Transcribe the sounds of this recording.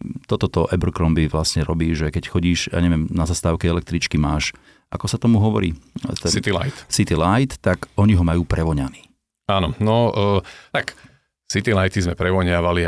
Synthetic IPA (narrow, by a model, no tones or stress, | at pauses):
t̪ɔt̪ɔt̪ɔʔɛbr̩kɾɔmbiʋlasɲɛɾɔbiːʒɛkɛcxɔɟiːʃja̰ːɲɛʋjɛmnazast̪aːʊkɛɛlɛk̚t̪ɾit͡ʃkimaːʃ | ʔa̰kɔsat̪ɔmuɦɔʋɔ̰ɾḭːt̪ɛit̪ila̰j̪sit̪ilajt̪ːakɔɲiɦɔmajuːpɾʔɛʋɔɲaniː | aːnɔnɔt̪ak | sit̪ilajt̪izmɛpɾɛʋɔɲɪaʋali